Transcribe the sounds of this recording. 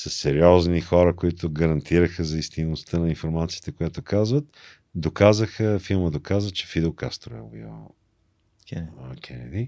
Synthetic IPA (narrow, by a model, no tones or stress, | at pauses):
sɐsːɛɾjɔznixɔɾəkoit̪ʊɡəɾɐnt̪ʰiɾəxəzɐist̪inost̪ənɐinfoɾmat̪siːət̪ɛkojat̪oʊkazvət̪ | d̪okazəxəfilˠməd̪okazət͡ʃɛ̥fid̪ɛlˠka̰st̪ɾoɛ̰bḭɔ̰ | ɛk̟ʲʰɛnɛ̰d̪i